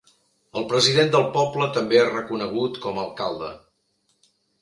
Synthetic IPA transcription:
əlˠpɾəziðend̪əlˠpɔplət̪əmbearəkunəɣ̞ut̪kɔməlˠkalˠd̪ə̰

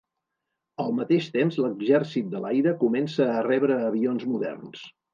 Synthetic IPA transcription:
əlˠmət̪eʃt̪emzləɡʒɛrsit̪̚d̪əlajɾəkumɛnsəːrɛβɾəːβionzmuðɛ̰rns

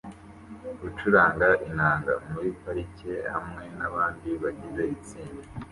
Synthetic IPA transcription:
ut͡ʃuɾaːŋɡaʔinaːŋɡa̰muɾipaɾice̞hamŋe̞naβaːndiβaɟize̞it͡siːnde

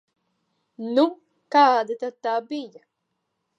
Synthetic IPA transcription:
num | kad̪ɪt̪at̪abija

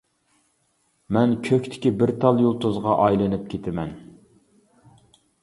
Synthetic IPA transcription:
mɛnkʲʰøkʲt̪ʰɪ̥kʲibɪɾt̪ʰɑlˠjolˠt̪ʰozʁɑʔɑjlˠɨnɨp̚kʲʰet̪ʰɪmɛn

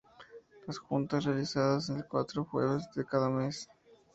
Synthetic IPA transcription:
lasxunt̪asrealisaðas̬enkwa̰t̪ɾoxwḛɣozd̪ekaðames

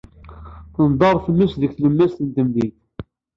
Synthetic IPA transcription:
θənd̪ˤɑɾˤθəmːəsðəkθləmːæst̪ənt̪əmðiθ

